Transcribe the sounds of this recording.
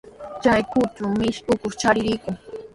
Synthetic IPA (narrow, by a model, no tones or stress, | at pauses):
t͡ʃajkʊt͡ʃʊmɪʃkʊkʊχt͡ʃaɾɪɾɪkʊŋ